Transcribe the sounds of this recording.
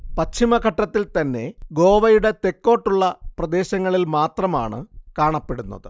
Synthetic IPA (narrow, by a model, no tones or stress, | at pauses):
pɐt͡ɕt͡ɕʰːimɐkɐʈːɐt̪ːilt̪ɐnːe̞ɡo̞ːʋɐjuɽe̞t̪e̞kːo̞ːʈːuɭːɐprɐd̪e̞ːɕɐŋːɐɭilmaːt̪rɐma̰ːɳɨkaːɳɐpːe̞ɽunːɐ̰ðɨ